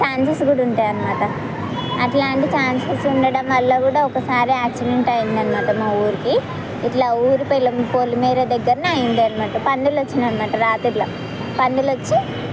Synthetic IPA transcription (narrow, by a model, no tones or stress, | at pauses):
t͡ʃaːnsɐsɡuːɽɐuɳʈaːjɐnimaːʈɐ | ɐʈlaːɳʈit͡ʃaːnsɐsuɳɖɐɽɐmɐlːɐkuːɽaɔkɐsaːɾiaːksileɳʈɐjind̪ɐnimaːʈɐmaːuːɾiki | iʈlaːuːɾipɐjlɐmpolːumeːɾed̪ɛɡːɐɾɐnɐjind̪iɐnimaːʈɐpɐnd̪ilot͡ʃːinɐnimaːʈɐɾaːt̪uʈlɐ | pɐnd̪ilot͡ʃːi